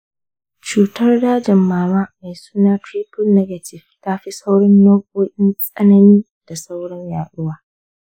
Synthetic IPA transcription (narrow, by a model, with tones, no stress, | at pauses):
t͡ʃuː˨tɐ˦rdaː˦d͡ʒɛ˨mːaː˨maː˦ma˨jsu̥ː˦naː˦tɾiː˦pʊ˦lnɛ˦ɡɐ˨tɪ˨ftaː˦ɸi˦sa˦wɽɔ˦nːoː˦kʼoː˦ʔʲɪ˦nsʼɐ˦nɐ˦niː˦ | d̥a˨sa˦wɽɔ˦ɲjaː˨ɗʊ˦waː˨